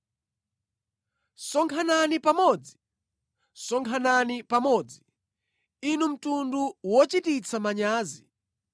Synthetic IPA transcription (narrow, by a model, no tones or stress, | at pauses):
sɔŋkʰananipamɔd͡zi̥ | sɔŋkʰananipamɔd͡zi | inum̩tunduwɔt͡ʃitit͡sʰamaɲaːzi